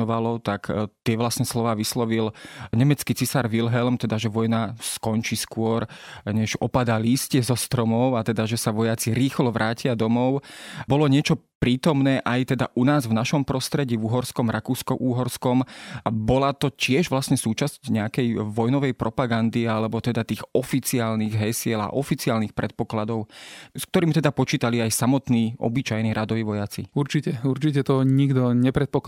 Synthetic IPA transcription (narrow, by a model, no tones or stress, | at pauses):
ɔʋalɔt̪akt̪ɪɛʋlasɲɛslɔʋaːʋislɔʋilɲɛmɛt͡skit͡sisaɾʋilɦɛlmt̪ɛd̪aʒɛʋɔjnaskɔnt͡ʃiskʊɔɾɲɛʒɔ̰pad̪aliːscɛzɔst̪ɾɔmɔʊat̪ɛd̪aʒɛsaʋɔjat͡siɾiːxlɔʋɾʔaːcɪad̪ɔmɔʊbɔlɔɲɪɛt͡ʃɔ | pɾiːt̪ɔmnɛːʔajt̪ɛd̪a̰ʔunaːzvnaʃɔmpɾɔst̪ɾɛɟiːvuɦɔɾskɔmɾʔakuːskɔʔuːɦɔɾskɔmbɔlat̪ɔcɪɛʒʋlasɲɛsuːt͡ʃascɲɛakɛjʋɔjnɔʋɛjpɾɔpaɡand̪ialɛbɔt̪ɛd̪at̪iːɣɔfit͡siaːlniɣɦɛjsɪɛla̰ʔɔfit͡siaːlnixpɾʔɛt̪̚pɔklad̪ɔʊskt̪ɔɾiːmit̪ɛd̪apɔt͡ʃiːt̪aliajsamɔt̪niːʔɔ̰bit͡ʃajniːɾad̪ɔʋiːʋɔjat͡sḭuɾt͡ʃicɛuɾt͡ʃicɛt̪ɔɲiɡd̪ɔɲɛpɾɛt̪̚pɔk